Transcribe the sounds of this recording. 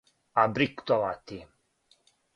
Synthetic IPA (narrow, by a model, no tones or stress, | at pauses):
abɾikt̪ɔlat̪i